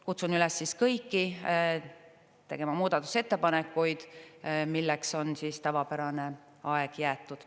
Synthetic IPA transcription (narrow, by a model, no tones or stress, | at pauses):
kut̪sunylɛsːiskɤjkːi | t̪e̞ɡ̥e̞mɑmuːd̪̥ɑt̪ːˑu̥se̞t̪ːe̞pɑnekːujd̪̥milːekso̞nsiːst̪ævɑpæɾɑne̞ | ɑe̞ɡ̥jæːt̪ˑːud̪̥